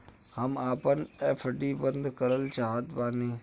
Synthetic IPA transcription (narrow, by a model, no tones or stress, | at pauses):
həmaːpənefʰɖiːbə̃nd̪ʱkəɾəlt͡ʃaːɦət̪baːneː